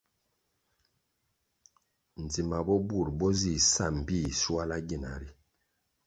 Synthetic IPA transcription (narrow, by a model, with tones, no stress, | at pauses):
n̩˨d͡zi˨ma˨bɔ˦bu˦˨ɾbɔ˦zi˦˨sa˦˨m̩˨bi˦˨swa˦la˦ɡi˨na̰˨ɾi˦